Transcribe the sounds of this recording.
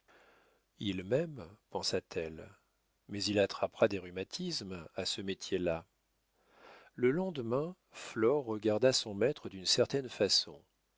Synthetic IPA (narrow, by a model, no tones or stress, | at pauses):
ilmɛmpɑ̃sat̪ʰɛl | mɛzilat̪χapχad̪eʁymat̪ʰismasəmet̪ʰjela | ləlɑ̃d̪mɛ̃ | flɔʁːəɡaʁd̪asɔ̃mɛt̪χəd̪ynsɛʁt̪ɛnfasɔ̰̃